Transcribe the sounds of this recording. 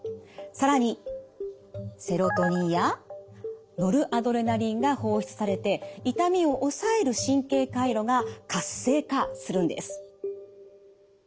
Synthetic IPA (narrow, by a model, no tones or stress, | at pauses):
saɾaɲ̟i | se̞ɾo̞t̪o̞ɲ̟ija | no̞ɾɯ̟ʔad̪o̞ɾe̞naɾʲĩŋɡaho̞ːçi̥t͡sɨ̥saɾe̞t̪e̞it̪amʲio̞ʔosaeɾɯ̟ɕĩŋke̞ːkaiɾo̞ɡakasːe̞ːkasɨɾɯ̟̃nd̪esɨ̥